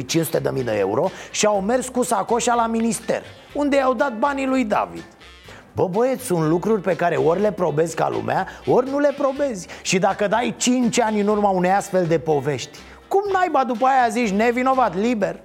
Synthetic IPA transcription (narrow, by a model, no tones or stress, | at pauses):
jt͡ʃinsut̪e̞d̪əmijd̪ə̰e̞̰ṵɾo̞ʃiawme̞rskusako̞ʃalaminist̪e̞̰r | und̪eawd̪at̪̚banilujd̪a̰vḭd̪̥ | bəbojesʲsunt̪lukɾurʲpe̞kaɾe̞orʲle̞pɾo̞be̞zʲka̰lṵmaorʲnule̞pɾo̞be̞zʲʃid̪akəd̪ajt͡ʃint͡ʃʲanʲɨnurmaune̞jast̪fe̞ld̪e̞po̞ve̞ʃt̪ʲ | kumnajbad̪up̬əajazit͡ʃʲne̞vino̞vat̪libe̞r